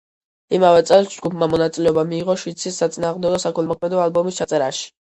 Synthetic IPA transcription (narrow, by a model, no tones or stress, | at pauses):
imavɛt̪sʼɛlˠsd͡ʒɡupʰmamɔnat̪sʼilɛɔbamiːʁɔʃwit̪sʰisːat̪sʼinaːʁmd̪ɛɡɔsakʰɛnˠmɔkʰmɛd̪ɔalbɔmist͡ʃʰat̪sʼɛɾaʃi̥